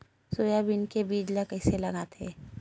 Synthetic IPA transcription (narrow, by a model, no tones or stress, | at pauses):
soːjabɪnkebiːd͡ʒlakɛɪselɐɡat̪ʰḛː